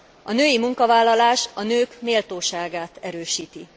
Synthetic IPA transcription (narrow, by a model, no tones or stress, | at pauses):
ɒnøːjimuŋkɒvaːlːɒlaːʃɒnøːkmeːlt̪oːʃaːɡaːt̪ɛɾøːʃiːt̪i